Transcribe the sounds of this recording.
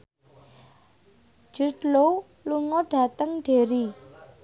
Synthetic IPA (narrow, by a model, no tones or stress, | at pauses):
d͡ʒ̥ṳd̪lo | luŋɔɖ̥ä̤t̪əŋɖ̥e̤ɾi